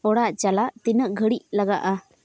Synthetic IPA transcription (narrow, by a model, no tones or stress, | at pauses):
ɔɽaʔt͡ʃalaʔt̪inəʔɡʱəɽic̚laɡa̰ʔa